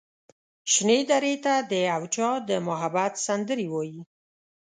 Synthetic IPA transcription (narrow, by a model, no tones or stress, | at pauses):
ʃned̪aɾet̪ad̪əawt͡ʃɑd̪əmʊɦabat̪sand̪əɾiwɔji